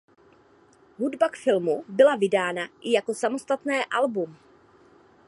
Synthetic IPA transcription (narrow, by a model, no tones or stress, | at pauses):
ɦudbakfɪlmubɪlavɪdaːnaʔɪjako̞samo̞st̪at̪nɛːʔalbum